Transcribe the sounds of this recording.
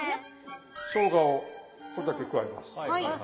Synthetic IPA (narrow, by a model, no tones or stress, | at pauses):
ɕõŋɡao | soɾod̪akʲekɯaima̰s